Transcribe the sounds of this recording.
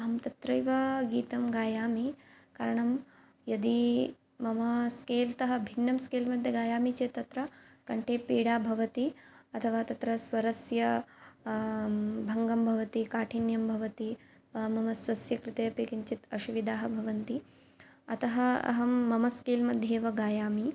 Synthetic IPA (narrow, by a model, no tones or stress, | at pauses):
ɐɦɐmt̪ɐt̪ɾɐjʋɐɡiːt̪ɐmɡaːjaːmika̰ːɾɐɳɐm | jɐd̪i | mɐmɐskeːlt̪ɐɦɐ̆bʱinːɐmskeːlmɐd̪ʱjɐɡaːjaːmit͡ʃeːt̪ɐt̪ɾɐkɐɳʈʰeːpiːɽaːbʱɐʋɐt̪iɐt̪ʰɐʋaːt̪ɐt̪ɾɐsʋɐɾɐsjɐ | bʱɐŋɡɐmbʱɐʋɐt̪ikaːʈʰinjɐmbʱɐʋɐt̪i | ɐɦɐmɐmɐsʋɐsjɐkɾɪt̪ɐjɐpiːkiɲt͡ʃit̪ɐʃuʋid̪aːɦɐbʱɐʋɐnt̪i | ɐ̰t̪ɐɦɐɐ̰ɦɐmːɐmɐskeːlmɐd̪ʱjeːʋɐɡaːjaːmi